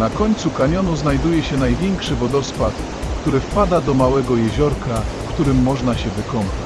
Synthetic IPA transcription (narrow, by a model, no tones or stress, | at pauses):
nakɔɲt̪sukaɲɔnuznajd̪ujɛɕɛnajvʲjɛŋkʂɘvɔd̪ɔspat̪ | kt̪uɾɘfpad̪ad̪ɔmawɛɡɔjɛʑɔɾkʰafkt̪uɾɘmːɔʐnaɕɛvɘkɔmpa